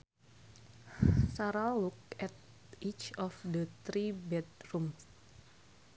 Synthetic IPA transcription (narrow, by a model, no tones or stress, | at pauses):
saɾalluk̚ɛt̪̚ | it͡ʃɔfdət̪ɾibɛt̪̚ɾums